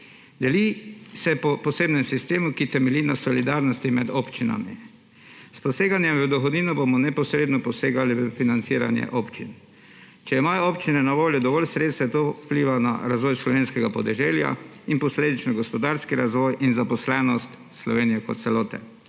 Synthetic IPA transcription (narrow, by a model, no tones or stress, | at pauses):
d̪ɛlisɛpɔpɔseːbnɛmsist̪eːmukit̪ɛmɛliːnasɔlid̪aɾnɔst̪imɛd̪oːpt͡ʃina̰mḭ | spɔseːɡanjɛmʋəd̪ɔxɔd̪niːnɔbomɔnɛpɔsɾeːd̪nɔpɔseːɡaliəfinant̪siɾa̰njɛ̰ʔoːpt͡ʃḭn | t͡ʃɛimaːjɔoːpt͡ʃinɛnaʋoːljɔd̪ɔʋɔlsɾeːt̪st̪ʋɛt̪owpliːʋana̰ɾazʋɔːjslɔʋeːnskɛɡapɔd̪ɛʒɛlja̰inpɔsleːd̪it͡ʃnɔɡɔspɔd̪aɾskiɾazʋɔjʔinzapɔslɛnɔst̪ | slɔʋeːnijɛkɔt̪̚sɛloːt̪ɛ̰